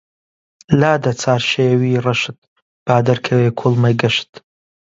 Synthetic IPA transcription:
laːd̪ɐt͡sʰaːɾʃeːwiːrɐʃɨt̪̚ | b̥aːd̪ɐɾkʰɐweːkʰulˠmɐjɡɐʃɨ̥t̪

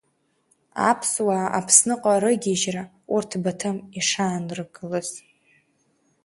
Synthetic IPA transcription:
a̰pʰswaːa̰pʰsnɨqʼaɾɨɡʲiʒra | urtʰbatʰɨmiʂaːnrɨɡɨlɨz

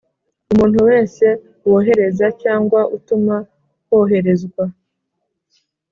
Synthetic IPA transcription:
umuːn̥huwe̞ːnse̞ | woɦe̞ɾe̞zacaːŋɡwaʔutuma | koːɦe̞ɾe̞zɡwa

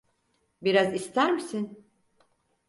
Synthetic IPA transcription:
biɾazist̪ʰæɾmisin

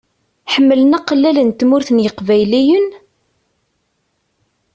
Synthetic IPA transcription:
ħəmːələnæqəlːælənt̪ːmʊɾθənjəqvæjlijən

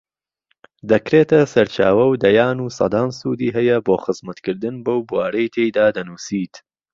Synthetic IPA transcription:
d̪ɐkɾeːt̪ʰɐsɐɾt͡ʃaːwɐwd̪ɐjaːnuːsɐ̰d̪aːnsud̪iːɦɛjɐboːxɨzmɐt̪kɨɾd̪ɨnbɐwbwaːɾɐjt̪ʰejd̪aːd̪ɐnuːsiːt̪

